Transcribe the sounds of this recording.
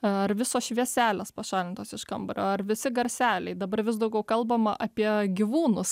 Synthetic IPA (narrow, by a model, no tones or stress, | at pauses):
ɐrʋʲɪsoːsʃʲʋʲiɛsʲæːlʲespɐʃɑːlʲɪnt̪oːsɪʃkɐmbɐɾʲo̰ːɐrʋʲɪsʲɪɡɐɾʲsʲæːlʲɛɪd̪ɐbɐrʋʲɪsd̪ɐʊɡʲɛʊkɐlˠbɐmɐʔɐpʲiɛɡʲɪʋuːnʊs